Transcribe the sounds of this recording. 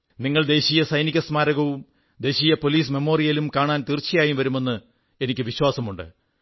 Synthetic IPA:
niŋːɐɭd̪e̞ːɕijɐsɐjnikʲːɐsmaːɾɐɣɐʋum | d̪e̞ːɕijɐpo̞liːs̬me̞mo̞ːrijɐlumkaːɳaːnt̪irt͡ɕːijaːjumʋɐɾume̞nːɨ | e̞nikʲːɨʋiɕwaːsɐmuɳɖɨ̰

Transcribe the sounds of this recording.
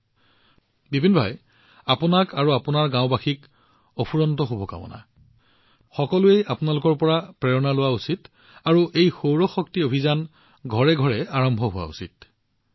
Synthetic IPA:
bibʱinbʱa̰j | apʊnakaɹuapunaɹɡãʊ̃baxik | opʰuɹɔntɔxubʱɔka̰bɔ̰na̰ | xɔkɔluejapʊnalʊkɔɹpɔɹapɹɛɹɔnalʊwausit | aɹuʔejxowɹɔxɔktiobʱizan | ɡʱɔɹɛɡʱɔɹɛaɹɔmbʱɔɦʊwa̰ṵsḭt̚

